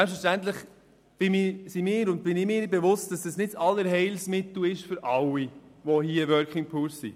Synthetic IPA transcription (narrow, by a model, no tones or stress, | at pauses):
sɛpsfəʃtænt̪ləχ | b̥ɪmɪːsimɪːɾʊnd̚b̥ɪnɪmɪːbɛvʊst̚d̥ɑsd̥ɑsnɪtɑlːəɾɦɛɪlsmɪt̪l̩ɪʃfʏɾʔɑwivɔhiəʋœɾkʰɪŋpʰuːsḭ